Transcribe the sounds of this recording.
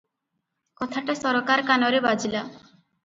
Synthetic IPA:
kɔt̪ʰaʈasɔɾokaɾkanɔɾebad͡ʒila

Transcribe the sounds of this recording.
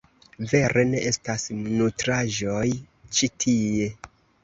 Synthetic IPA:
ve̞ɾʔe̞ne̞ʔe̞stasnutɾaʒo̞j | t͡ʃitʰie̞

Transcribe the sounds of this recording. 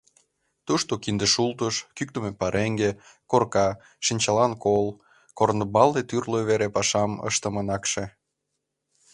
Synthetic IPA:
t̪uʃt̪okind̪eʃult̪əʃkyk̚t̪əmepɑɾeŋɡekorkɑ | ʃinʲt͡ɕɑlɑnkol | kornəbɑld̪et̪yrløβeɾepɑʃɑmə̰ʃt̪ə̆mənɑkʃe

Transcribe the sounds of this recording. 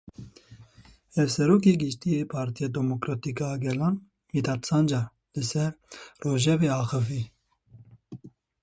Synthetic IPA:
hɛvsɛɾoːk̬eːɡɨʃt̪ijeːpʰɑːɾt̪ijed̪ɛmokɾɑːt̪ikɑɡɛlɑːn | hid̪ɑt̪sɑːnd͡ʒɑ | lɨsɛɾroːʒɛveːɑːxɨviː

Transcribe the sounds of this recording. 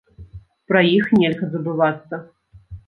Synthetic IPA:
pɾɐjixnʲɛlʲɣɐzɐbɨvat̪sːɐ

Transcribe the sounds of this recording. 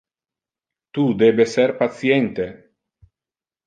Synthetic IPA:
t̪ud̪ebeseɾpasjent̪e

